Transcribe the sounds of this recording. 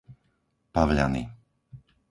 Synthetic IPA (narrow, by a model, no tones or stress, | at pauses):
paʋʎa̰nḭ